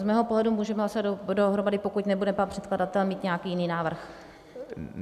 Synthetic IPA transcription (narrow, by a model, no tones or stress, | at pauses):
zmɛːɦopoɦlɛdumuːʒɛmɛɦlasoaddoɦɾomadɪpo̞kucnɛbudɛpanpr̥ɛt̪kladat̪ɛlmiːt̪ɲɛjakiːjɪniːnaːvr̩x